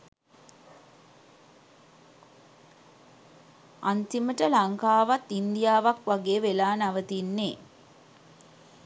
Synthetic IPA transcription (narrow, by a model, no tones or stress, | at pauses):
ant̪iməʈəlaŋkaːʋat̪ːind̪ijaːʋakʋaɡeːʋelaːnaʋət̪inːeː